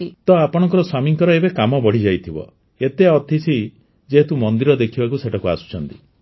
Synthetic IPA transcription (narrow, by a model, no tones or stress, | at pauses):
t̪ɔapɔɽ̃ɔŋkɔɾɔswamiŋkɔɾɔebekamɔbɔɽ̤id͡ʒajt̪ʰibɔ̰ | et̪eɔt̪ʰit͡ʃʰi | d͡ʒeɦet̪umɔnd̪iɾɔd̪ekʰibakuseʈʰakuasu̥t͡ʃʰɔnt̪i